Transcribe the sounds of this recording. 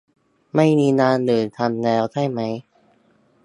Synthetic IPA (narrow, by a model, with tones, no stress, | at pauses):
ma˥˩jmiː˧naː˧˥nlɯː˨˩t̪ʰa˧mlɛː˦˥wt͡ɕʰa˥˩jma˦˥j